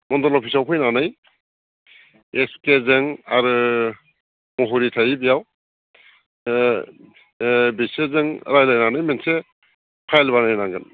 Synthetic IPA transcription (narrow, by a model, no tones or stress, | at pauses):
mɔndɔlɔpʰisawpʰɯjnanaj | estezeŋaɾɯ | mɔɦɔɾitʰajibijaw | bisezɯŋɾajlajnanɯjmense | pʰajlbanajnaŋɡɯn